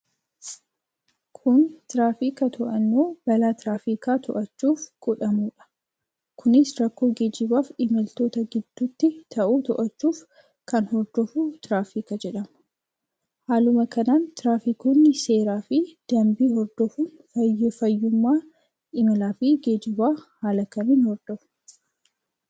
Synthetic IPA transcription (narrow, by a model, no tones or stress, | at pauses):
kʰʊnt̪ɪɾaːfiːkɐt̪ʰɔʔɐnːuːb̥ɐlaːt̪ɾaːfiːkaːt̪ɔʔɐt͡ʃːuːfɡ̥ɔᶑɐmuːᶑɐ̥ | kʰʊnɪsɾɐkːoːɡeːd͡ʒɪbaːfɪmɐlt̪o̞ːt̪ɐɡɪd̪̥ːuːt̪ːɪt̪ʰɐʔuːt̪ɔʔɐt͡ʃːuːf | kɐnhɔɾd̪ɔfut̪ɪɾaːfikɐd͡ʒɛᶑɐm | haːlʊmɐkɐnaːnt̪ɪɾaːfikoːnːɪse̞ːɾaːfɪd̪̥ɐmbiːɦɔɾd̪ɔfun | ɐjfɐjːʊmːaː | ʔɪmɐlaːfɪɡeːd͡ʒɪbaːhaːlɐkɐniːnhɔɾd̪ɔfʊ̥